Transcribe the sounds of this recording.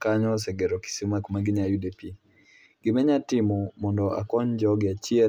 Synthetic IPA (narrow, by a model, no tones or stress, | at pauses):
kaɲɔs̬ɛɡɛɾɔki̥simakmaɡɪɲajudɛpi | ɡ̥ɪmɛɲatɪmɔmɔndɔʔa̰kɔɲd͡ʒɔɡɛat͡ʃiɛ